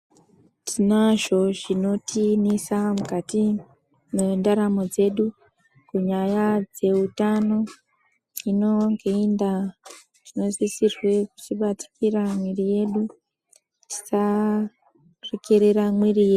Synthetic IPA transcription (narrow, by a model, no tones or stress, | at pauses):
tʰinaʒo̞ʐino̞tʰinisamukati | mendaɾamo̞d͡ze̞ɗu | kuɲajad͡ze̞utano̞ | ino̞ŋɡeinda | tino̞zisirwe̞ku̥t͡ʃiɓati̥kiɾamwirije̞ɗu | ti̥sa | rikiɾeɾamwirijeu